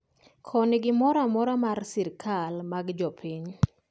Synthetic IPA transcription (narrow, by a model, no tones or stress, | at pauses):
kʰɔnɪɡɪmɔɾamɔɾamarsiɾkʰalmaɡd͡ʒɔpʰiɲ